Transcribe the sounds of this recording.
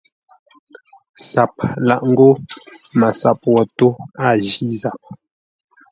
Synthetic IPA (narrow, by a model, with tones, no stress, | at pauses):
sa˨p̚la˨ʔŋ̩˦ɡo˦ma˨sa˨pwɔ˨to˦a˦˨d͡ʒi˦za˨p̚